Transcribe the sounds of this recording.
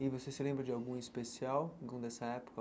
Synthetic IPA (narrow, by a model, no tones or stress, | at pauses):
ɪvosesɪlẽbɾɐd͡ʒɪawɡũispesiaw̃ɡ̪ũd̪ɛsɐɛpo̥kɐ